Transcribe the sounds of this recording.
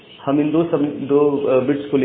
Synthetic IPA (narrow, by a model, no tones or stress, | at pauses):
hɐmɪnd̪osɐmd̪obɪʈskole